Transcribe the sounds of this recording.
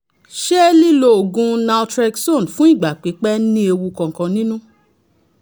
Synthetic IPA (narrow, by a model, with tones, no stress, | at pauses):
ʃɛ˦li˦˨lo˧o˨ɡũ˧na˧tɾɛ˧kso˦˨n˨fũ˦i˦˨ɡ͡ba˨k͡pe˨˦k͡pɛ˦nĩ˦e˧wu˧kɔ̃˨ŋ̩˨kã˧nĩ˦nũ˦